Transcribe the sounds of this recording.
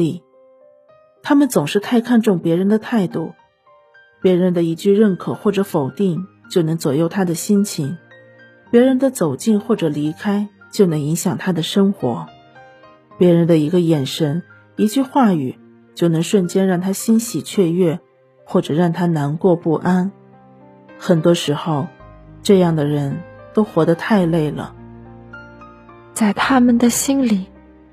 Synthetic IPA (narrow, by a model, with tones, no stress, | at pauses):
i˥˩ | t̪ʰa˥mə˨nt͡sʊ˨˩ŋʂɻ̩˥˧t̪ʰa˥˧ɪkʰa˥˧nʈ͡ʂʊ˥˩ŋpjɛ˧˥ɻə˧˥nd̪ə˧t̪ʰa˥˧ɪt̪u˥˩ | pjɛ˧˥ɻə˧˥nd̪ə˧i˧˥t͡ɕy˥˧ɻə˥˩nkʰɤ˨˩xwɔ˥˩ʈ͡ʂɤ˧˥fo˨˩ʊt̪i˥˩ŋ | t͡ɕjo˥˩ʊnɤ˧˥ŋt͡swɔ˨˩jo˥˩ʊt̪ʰa˥d̪ə˨ɕi˥nt͡ɕʰi˧˥ŋ | pjɛ˧˥ɻə˧˥nd̪ə˧t͡so˨˩ʊt͡ɕi˥˧nxwɔ˥˩ʈ͡ʂɤ˨˩li˧˥kʰa˥ɪ | t͡ɕjo˥˩ʊnɤ˧˥ŋi˧˥ŋɕjɑ˨˩ŋt̪ʰa˥d̪ə˨ʂɤ˥ŋxwɔ̰˧˥ | pjɛ˧˥ɻə˧˥nd̪ə˧i˧˥ɡə˧jɛ˨˩nʂə˧˥n | i˧˥t͡ɕy˥˧xwa˥˩y˨˩ | t͡ɕjo˥˩ʊnɤ˧˥ŋʂwə˥˩nt͡ɕjɛ˥nɻɑ˥˩ŋt̪ʰa˥ɕi˥nɕi˨˩t͡ɕʰɥɛ˥˧ɥɛ˥˩ | xwɔ˥˩ʈ͡ʂɤ˨˩ɻɑ˥˩ŋt̪ʰa˥na˧˥nkwɔ˥˧pu˥˩ʔa˥n | xə˨˩nt̪wɔ˥ʂɻ̩˧˥xo˥˧ʊʈ͡ʂɤ˥˧jɑ˥˩ŋd̪ə˩ɻə˧˥nt̪o˥ʊxwɔ˧˥d̪ə˧t̪ʰa˥˧ɪle˥˩ɪlə̰˩ | t͡sa˥˩ɪt̪ʰa˥mə˨nd̪ə˨ɕi˥nli˨˩˦